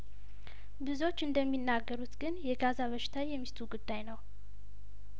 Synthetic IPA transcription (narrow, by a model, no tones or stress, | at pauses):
bɨzo̞t͡ʃːɨnd̪əmːinːaɡːəɾut̪ɡɨnjɛɡazaβəʃɪ̥t̪ʰajɛmːist̪ʰuɡud̪ːajnəw